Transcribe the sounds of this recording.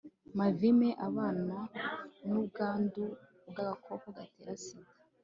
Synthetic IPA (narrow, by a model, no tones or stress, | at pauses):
mavimeʔaβaːnanubɡaːndu | bɡaβakʰokoɡateːɾasiɡa